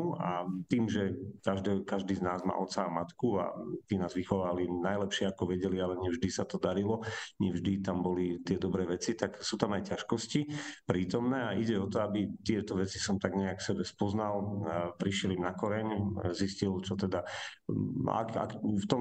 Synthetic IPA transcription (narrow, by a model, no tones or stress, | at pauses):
a̰t̪iːmʒɛkaʒd̪ɛkaʒd̪iːznaːzma̰ːʔɔt̪saːmat̪kua̰t̪iːnaːzʋixɔʋaːlinajlɛpʃɪɛakɔʋɛɟɛlialɛɲɛvʒd̪isat̪ɔd̪aɾilɔɲɛvʒd̪it̪ambɔlit̪ɪɛd̪ɔbɾɛːʋɛt͡sit̪aksuːt̪amajcaʃkɔscipɾiːt̪ɔmnɛːaiɟɛɔt̪ɔabit̪ɪɛt̪ɔʋɛt͡si̥sɔmt̪aɡɲɛakfsɛbɛspɔznalpɾiʃjɛlimnakɔɾɛɲziscilt͡ʃɔt̪ɛd̪a | a̰ka̰kft̪ɔ